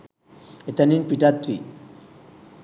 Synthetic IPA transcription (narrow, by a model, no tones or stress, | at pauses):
et̪aninpiʈat̪ːwi